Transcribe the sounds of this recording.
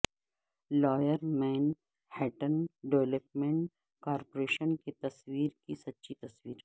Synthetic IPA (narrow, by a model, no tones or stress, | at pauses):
lɔːjəɾmɛ̃ːn | hɛːʈənɖeʋləpmẽɳʈ | kaːɾpoɾeːʃənket̪ɐswiːɾkisɐt̪ːʃʰit̪ɐswiːɾ